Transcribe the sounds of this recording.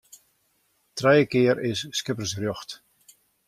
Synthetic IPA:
trɛjəkɪəɾʔɪsːkɪpr̩srjɔxt

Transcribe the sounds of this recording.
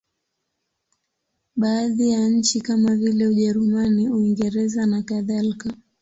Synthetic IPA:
ɓaːðijaɲ̩t͡ʃikamavilɛuʄɛɾumaniuiŋɡɛɾɛzanakaðalika

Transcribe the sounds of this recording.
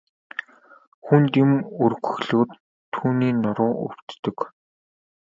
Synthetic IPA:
xunt̪imɵrɣɵ̆xɮoːt̪ʰː | uːniːnʊɾʊːʔʊ̰w̥t̪ːɵ̆k

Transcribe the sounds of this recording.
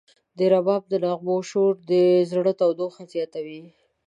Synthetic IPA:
d̪əɾabɑb̚d̪əlaɣboʃoɾd̪əzɽət̪awd̪oxazjɑt̪awi

